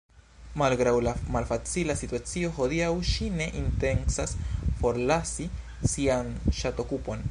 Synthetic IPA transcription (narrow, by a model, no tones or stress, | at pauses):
malɡɾawlamalfat͡silasituat͡sio̞xo̞diawʃine̞ʔinte̞nsasfo̞ɾlasi | sianʃato̞kupo̞n